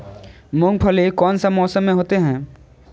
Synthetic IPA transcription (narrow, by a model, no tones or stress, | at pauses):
mʊ̃ŋɡpʰəlekɔːnsamɔːsəmːẽɦoːt̪eɦɛ̃ː